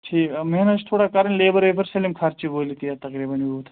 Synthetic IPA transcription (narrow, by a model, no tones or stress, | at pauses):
t͡ʃʰiːmeɦnəst̪ʰoːɽakaːɾəɳleːbəɾʋeːbəɾselimkʰaɾt͡ʃiboːlit̪ijat̪ɐkɾiːbɐnʋiut̪ʰ